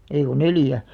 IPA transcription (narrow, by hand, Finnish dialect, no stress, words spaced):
ei ko neljæ